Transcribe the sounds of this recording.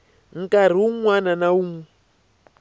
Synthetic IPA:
ŋ̩kaɾ̤iuŋwananauŋu

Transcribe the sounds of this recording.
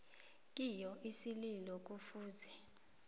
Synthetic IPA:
k̬ʼijɔʔisililɔk̬ufuːzɛ

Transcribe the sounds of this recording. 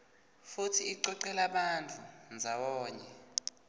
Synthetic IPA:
futʰiːǀɔǀɛlaɓant͡fʰʼund͡zʱaɓɔːɲɛ

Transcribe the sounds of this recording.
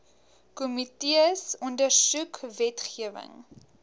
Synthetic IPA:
kɔmitiəsɔndərsukvɛtχiəvə̰ŋ

